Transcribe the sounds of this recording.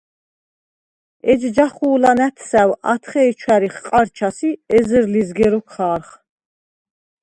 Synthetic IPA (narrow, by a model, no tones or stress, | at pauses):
ɛd͡ʒd͡ʒaχuːlanæt̪ʰsæwa̰t̪ʰχɛːt͡ʃʰwæɾiχqʼaɾt͡ʃʰasiɛzəɾlizɡɛɾɔkʰχaːɾχ